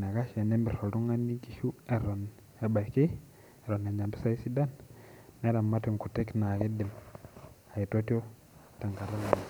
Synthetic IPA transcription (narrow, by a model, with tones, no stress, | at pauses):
n˨a˨ɡa˦ʃe˨ne˦mbi˨so˨du˦ŋa˦nːi˦ki˨ʃu˦e˨ɾo˨n | a˨ba˨jki˦ | e˨ɾo˨na˨ɲd͡ʒa˨mbi˦sa˦i˦si˦da˦nː | e˦ɾa˨mːa˦ti˨ŋku˨te˦kna˨ɡi˦di˨m | a˨ji˨to˦ti˦o˦ | ta˨ŋka˨ɾa˦la˨n˨